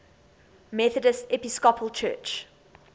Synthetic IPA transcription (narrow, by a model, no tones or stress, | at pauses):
mɛθədəsɛpiskɔpʰəlˠt͡ʃʰɜ̰ːˑt͡ʃ